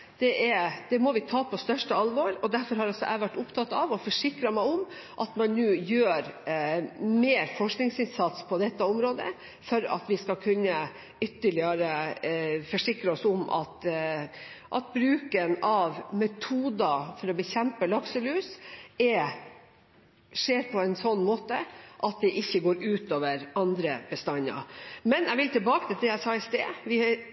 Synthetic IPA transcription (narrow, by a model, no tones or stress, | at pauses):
d̪̥ɛʔɛd̪̥ɛmɔʋɪt̪ʰɑːpʰɔst̪œʂʈəɑlʋoːɾɔd̪æɾfɔɾhɑɾɑsɔʔæ̰ɪʋæʈːʊpt̪ʰɑt̪ːɑʋɔfɔʂɪkɾɑmæɪɔm | ʔɑt̪mɑnːʉːjøːɾ | meːɾfɔʂknɪŋsɪnsɑt̪spʰɔd̪ɛt̪ːəʊmɾoːd̪ə̰ | fɔɾɑ̰t̪ʋɪskɑkʰʉnːə | ʏt̪ːəɭɪəɾə | fɔʂɪkɾəɔsʊmʔɑ̰t̪ | ʔɑt̪̚bɾʉːkənɑʋmɛt̪ʰuːd̪ɑfɔɾɔbəçɛmpəlɑksəlʉːsɛ | ʂeːɾpʰɔɛnsɔnːmoːt̪əʔɑt̪̚d̪ɛʔɪçːəɡoːɾʉːt̪oːʋəɾɑnd̪ɾəb̥əst̪ɑnːɑ̰mɛnjæɪʋɪlt̪ʰɪlbɑːkət̪ʰɪlt̪ɛæsɑːɪst̪ḛːʋɪ